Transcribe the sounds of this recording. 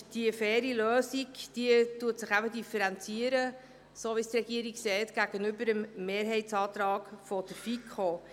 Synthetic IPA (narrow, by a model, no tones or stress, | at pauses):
d̥iəfɛːɾiløːsiɡd̥iətuətsɪχæbədifəɾɛnt͡siəɾə | soːʋist̪ɾɛɡ̥iəɾiksɛɪtɡ̥æɡ̥ənʏbəɾəmːeːɾɦɛɪtsɑːt̪ɾɑːɡ̥fɔd̥əɾfikʰχoː